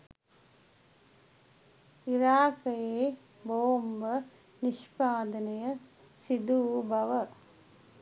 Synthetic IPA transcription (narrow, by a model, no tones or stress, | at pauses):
ɪɾaːkɐjeː | boːmbɐ | nɪʂpaːd̪ɐnɐjɐ | sid̪uːbɐʋɐ